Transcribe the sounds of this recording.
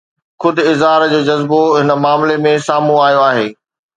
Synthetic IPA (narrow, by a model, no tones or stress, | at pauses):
xʊd̪ʱʊɪzɦaːɾd͡ʑoːd͡ʑɐzboɦɪnə̆maːmlemẽsaːmũaːjoaːɦeː